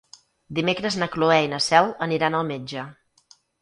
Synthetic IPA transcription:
d̪imekɾəznəkloɛinəsɛlˠəniɾanəlˠmed͡ʒə

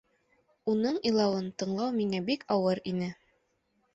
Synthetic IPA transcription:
unɤɴilˠɑwɤnt̪ɤ̆ɴlˠɑwmiŋæbikɑwɤɾinɘ

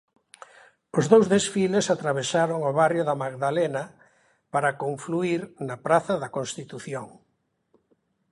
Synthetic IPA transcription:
ozðowzðesfilesat̪ɾaβ̞esaɾoŋoβarjoðɐmaɣðalenɐ | paɾɐkoɱfluiɾnɐpɾaθɐðɐkonst̪it̪uθjoŋ

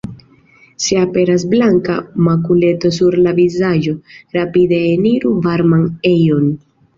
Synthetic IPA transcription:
seape̞ɾasblaŋkamakule̞to̞s̬uɾlavizad͡ʒo̞ɾapide̞ːniɾuvaɾmane̞jo̞n

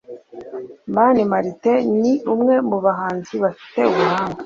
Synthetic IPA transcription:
manimaɾite̞niumŋe̞muβaɦaːnziβafi̥te̞umuaːŋɡa

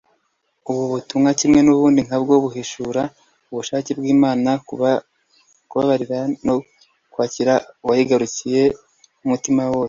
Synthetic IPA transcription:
uβuβutumŋacimŋe̞nuβuːndiŋhabɡoβuɦeʃuɾa | uβuʃaːcibɡiːmaːna | kuβaβaɾiɾano | kwaːciɾawahiɡaɾucije̞ | umutimawo̞ːse

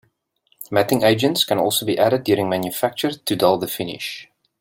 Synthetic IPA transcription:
mætɪ̃ŋʔeɪd͡ʒə̃ntskə̃nɔˑlˠsobiʔæɾədːjuəɾɪ̃ŋmæ̃njufæk̚t͡ʃəɹtʰudɛlˠðəfɪnɪ̰ʃ

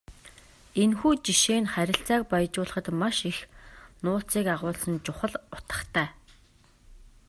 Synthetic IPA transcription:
enxuːt͡ɕiʃeːnχæɾʲɪ̆ɬt͡saːk̚pajt͡ɕʊːɮə̆χə̆t̪maʃixnʊːt͡siːkaʁʊːɮsə̆nt͡ɕʊχə̆ɮʊ̥t̪ə̥̆χt̪ʰæː

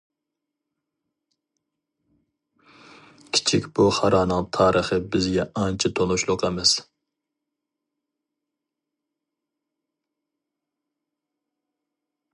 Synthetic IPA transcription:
kʲʰi̥t͡ʃʰikʲb̥uχɑɾɑːnɨŋt̪ʰɑːɾʔəχəbɪzɡʲɛɑnt͡ʃʰɪt̪ʰonuʃlˠʊqɛmɪz̥

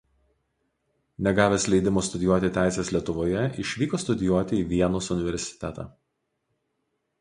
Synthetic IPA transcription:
nʲɛɡɑːʋʲeːslʲɛɪd̪ʲɪmoːst̪ʊd̪ʲɪjuɔt̪ʲɪt̪ʲæˑɪsʲesʲlʲiɛt̪ʊʋoːjɛɪʃʲʋʲiːkoːst̪ʊd̪ʲɪjuɔt̪ʲɪiːʋʲiɛnosʊnʲɪʋʲɛɾʲsʲɪ̥t̪ʲɛt̪ɑ̰ː

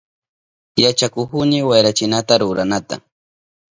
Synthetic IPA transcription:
jat͡ʃakʊxʊnɪwajɾat͡ʃɪnat̪aɾʊɾanat̪a̰

